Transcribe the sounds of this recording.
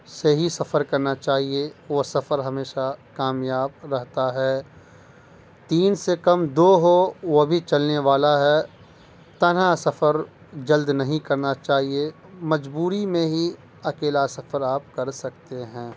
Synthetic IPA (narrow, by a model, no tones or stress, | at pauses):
seɦisɐfəɾkɐɾnat͡ʃaːɦieʋosɐfəɾɦɐmeːʃakaːmjaːb̚ɾɐɦt̪aɦɛː | t̪iːnsekɐmd̪oːɦoʋobʱit͡ʃɐlneʋaːlaɦɛ | t̪ɐnasɐfəɾ | d͡ʒɐld̪nɐɦĩkɐɾnat͡ʃaːɦie | mɐd͡ʒbuːɾimẽɦi | ɐkeːlasɐfəɾaːp̚kɐɾsɐk̚t̪eɦɛ̃ː